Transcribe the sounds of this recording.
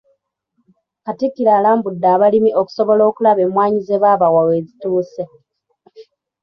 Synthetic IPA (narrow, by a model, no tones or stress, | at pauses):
katikːiɾaːlaːmbudːaːβalimiʔo̞ku̥so̞βo̞lo̞ːkulaβe̞mwaːɲize̞βaːβawaweːzituːse